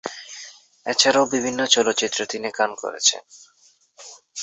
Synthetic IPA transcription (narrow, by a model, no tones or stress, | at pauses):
ɛt͡ɕʰaɾaobibʱinːot͡ɕɔlot̪ːɕit̪ːɾot̪inikanko̰ɾḛt͡ɕʰḛn